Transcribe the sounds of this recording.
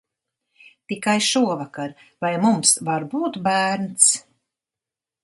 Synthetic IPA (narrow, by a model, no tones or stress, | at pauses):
t̪ikajʃuɔvakaɾ | vajmumsvaɾbuːt̪bæːɾnt̪s